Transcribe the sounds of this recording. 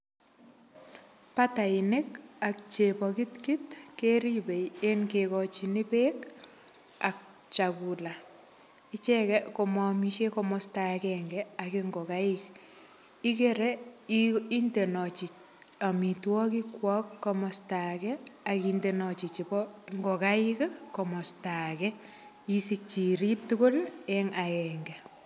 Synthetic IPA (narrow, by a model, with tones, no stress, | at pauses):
pata˨ɪnɪ˦kak̚t͡ʃepɔkitki˦tkeɾibe˨jenkekɔt͡ʃini˦pe˦k | a̰˨k̚ | t͡ʃakula˨ | ɪ˦t͡ʃɛkɛko˨mɔmiʃekɔmɔsta˨kɛŋɡɛakɪŋɡɔ˨ka˦ɪk | i˦keɾɛ | i˦nde˨nɔ˨t͡ʃi˨ | a˨mi˨twɔ˦ki˦kwɔ˦kːɔ˦mɔ˨stakɛa˨kinde˨nɔ˨t͡ʃi˨t͡ʃi˨pɔ˦ŋɡɔ˨ka˦ɪkkɔ˨mɔ˨sta˨kɛ | i˦sik̚t͡ʃi˨ɾi˦p̚toko˦lɛŋa˨jɛŋɡɛ